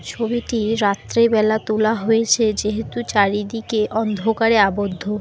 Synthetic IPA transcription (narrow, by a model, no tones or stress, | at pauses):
t͡ɕʰobiʈiɾat̪ːɾebɛlat̪ulaɦojet͡ɕʰed͡ʑeɦet̪ut͡ɕaɾid̪ikeʔɔnd̪ʱokaɾeabod̪ʱːo